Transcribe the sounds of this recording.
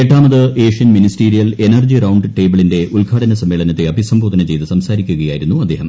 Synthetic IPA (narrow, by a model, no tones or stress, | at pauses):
eʈːaːmɐðɨe̞ːʂijɐnministiːɾijɐle̞nɐrd͡ʑirɐwɳɖʈe̞ːbɐɭinde̞ʔulɡʱaːɽɐnɐsɐmːeːɭɐnɐt̪ːeɐbʱisɐmbʱoːd̪ɐnɐt͡ɕe̞jt̪ɨsɐmsaːɾikʲːuɣɐja̰ːjiɾunːuɐd̪ːe̞ːɦɐ̰m